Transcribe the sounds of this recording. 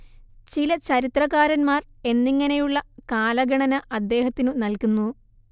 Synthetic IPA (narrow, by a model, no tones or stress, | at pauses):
t͡ɕilɐt͡ɕɐɾit̪rɐɣaːɾɐnmaːre̞nːiŋːɐnejuɭːɐkaːlɐɡɐɳɐnɐʔɐd̪ːe̞ːhɐt̪ːinunɐlkunːu